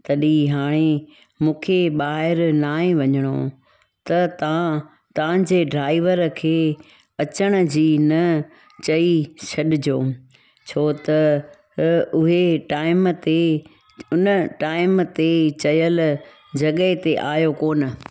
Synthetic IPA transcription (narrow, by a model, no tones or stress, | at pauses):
t̪ɐɗĩɦaːɽ̃e | mũːkʰeɓaːɦɪɾnaːẽʋɐɲəɽ̃o | t̪ɐt̪ | t̪ɐʋ̤ãd͡ʑeːɖɾaːɪʋəɾkʰeː | ɐt͡ɕəɽ̃ə̆d͡ʑiːnɐ | t͡ɕɐiɕʰɐɗɪd͡ʑoː | t͡ɕʰoːt̪ɐ | ʊɦeʈaːɪmt̪e | ʊnəʈaːɪmt̪et͡ɕɐjəl | d͡ʑɐɠət̪eʔaːjokoːnə̆